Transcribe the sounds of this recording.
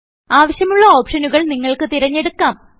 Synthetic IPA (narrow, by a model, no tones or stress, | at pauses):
aːʋɐɕjɐmuɭːɐo̞ːpʂɐnuɣɐɭniŋːɐɭkɨt̪iɾɐɲːe̞ɽukːaːm